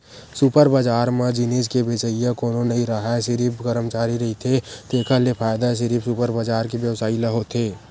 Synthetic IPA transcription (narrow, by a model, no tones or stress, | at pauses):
supəɾbəd͡ʒaːɾmãd͡ʒɪneːd͡ʒkebeːt͡ʃəijãkoːnonɐɦĩɾaɦasɪɾipɡəɾəmt͡ʃaːɾiɾɐɦit̪ʰet̪eːkʰəlepʰaːjd̪aʃ̬ɪɾiːpsupəɾbəd͡ʒaːɾkebjəʋsaːilɐɦot̪ʰeː